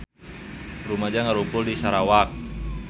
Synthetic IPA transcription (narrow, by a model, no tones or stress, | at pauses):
rumad͡ʒaŋaɾumpʊldisaɾawak̚